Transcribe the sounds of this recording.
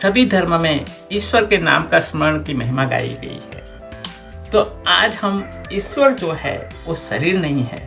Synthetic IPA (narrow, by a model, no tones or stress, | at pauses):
sɐbʱid̪ʱɐɾməmẽ | ɪʃwəɾkena̰ːmkasməɾəɳ̃kimɐɦɪmaɡa̰ːḭɡɐ̰ḭɦɛ̰ː | t̪oːaːd͡ʒhɐm | ɪʃwəɾd͡ʒoːɦɛ̰ | ʋosɐɾiːɾnɐɦĩɦɛ̰ː